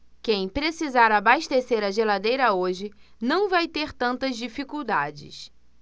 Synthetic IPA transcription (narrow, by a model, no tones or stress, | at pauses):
kẽj̃pɾesizaɾabaʃt̪eseɾɐʒelad̪ejɾɐoʒɪnɐ̃w̃vajt̪eɾt̪ɐ̃nt̪ɐzd͡ʒifikuwd̪ad͡ʒɪ̰s